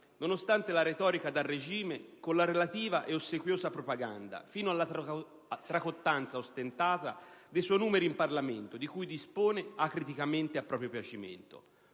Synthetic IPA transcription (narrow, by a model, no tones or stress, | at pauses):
nonost̪ant̪elaɾet̪ɔːɾikad̪alːed͡ʒiːmekonlaɾelat̪iːvaʔɛosːekwjoːzapɾopaɡa̰nd̪a̰fiːnoalːa | t̪ːɾakot̪ːant̪saost̪ent̪aːt̪a̰d̪ejsɔjnuːmeɾimparlament̪od̪ikujd̪ispoːneakːɾit̪ikament̪eapːɾɔːpɾjopjat͡ʃimḛnt̪o̰